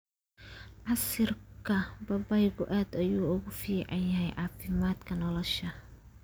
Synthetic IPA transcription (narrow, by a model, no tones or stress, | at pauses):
ʕɑsɪrkʰɐbɐbɐjɣʊʔaːd̪ɐjuːʊɣʊfiːʕɑjjɐɦɛjʕɑːfɪmaːd̪kʰɐnɔlɔʃɐ